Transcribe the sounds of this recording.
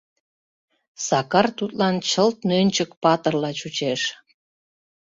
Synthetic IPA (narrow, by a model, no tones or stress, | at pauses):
sɑkɑrt̪ut̪lɑnt͡ɕəlt̪̚nønʲt͡ɕəkpɑt̪ərlɑt͡ɕut͡ɕeʃ